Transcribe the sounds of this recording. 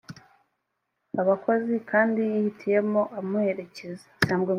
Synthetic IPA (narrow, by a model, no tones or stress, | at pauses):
aβako̞zikʰaːndijihitʰije̞moʔamuhe̞ɾe̞ce̞ze̥saːmɡe